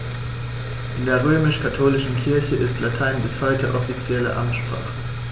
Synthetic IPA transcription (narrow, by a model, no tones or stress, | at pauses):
ʔɪndeːɐʁ̞øːmɪʃkʰatʰoːlɪʃn̩kʰɪɐçəʔɪstlatʰaɪnbɪshɔʏtʰəʔɔfit͡sjɛlə̰ʔamtʃpʁ̥a̰ːχə